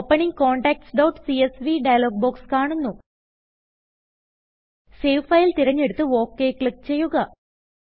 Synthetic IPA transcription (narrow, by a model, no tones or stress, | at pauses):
pːɐɳiŋko̞ːɳɖaːk̚ʈsɖowʈsiesʋiɖɐjɐloːɡ̚boːkskaːɳunːu | sejfɐjilt̪iɾɐɲːe̞ɽut̪ːɨo̞ːkːe̞ːkɭikːt͡ɕe̞jːuɣɐ